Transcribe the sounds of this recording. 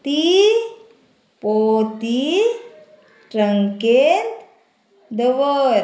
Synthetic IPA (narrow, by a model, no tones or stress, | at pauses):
t̪i | pot̪i | ʈɾəŋket̪ | d̪əʋəɾ